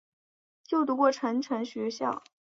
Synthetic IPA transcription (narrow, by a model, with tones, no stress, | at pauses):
t͡ɕjo˥˩ʊt̪u˧˥kwɔ˥˩ʈ͡ʂʰə˧˥nʈ͡ʂʰə˧˥ŋɕɥɛ˧˥ɕjɑ̰˥˩ʊ